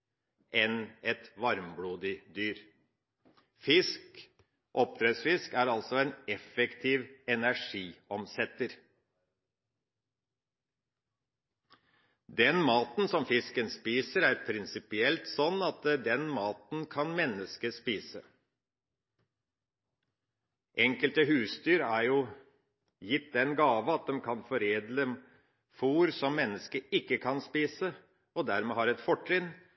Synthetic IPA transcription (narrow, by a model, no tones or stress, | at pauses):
ʔɛnɛt̪ʋɑɾmbɽuːd̪ɪd̪yːɾ | fɪsk | ʔɔp̚t̪ɾeːsfɪskæːɾɑlsɔɛːnɛfɛkt̪ʰiːʋɛnæʂiːɔmsɛt̪əɾ | d̪ɛnmɑːt̪n̩sɔmfɪskənspiːsəɾæːɾpʰɾɪnsɪpɪɛlt̪sɔnːɑt̪d̪ɛnmɑːt̪n̩kʰɑnmɛnːəskəspiːsə | ʔɛŋkəlt̪əɦʉːst̪yːɾæɾjuː | jɪt̪d̪ɛnɡɑːʋəɑt̪̚d̪ɛmkʰɑnfɔɾeːd̪lə | fuːɾsɔmːɛnːəskəɪkːəkʰɑnspiːsə | ɔd̪æɾmeːhɑːɾɛt̪fɔʈɾɪn